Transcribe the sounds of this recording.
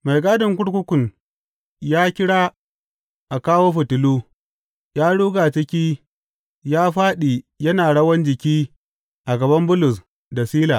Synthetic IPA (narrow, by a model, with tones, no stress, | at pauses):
ma˨jɡaː˦dʊ˨ŋkʷʊ˦ɽkʷʊ˦kʷʊ˨n | jaː˦kʲɪ˦ɽaː˦ | ʔa˨kaː˦woː˦ɸʊ˨tʊ˨luː˦ | jaː˦ɽuː˦ɡaː˨t͡ʃɪ˦kʲiː˦ | jaː˦ɸaː˦ɗiː˨jɐ˦naː˨ɽɐ˦wɐ˦nd͡ʒɪ˨kʲiː˦ | ʔa˨ɡɐ˨bɐ˦mbʊ˦lʊ˨s | da˨siː˦laː˨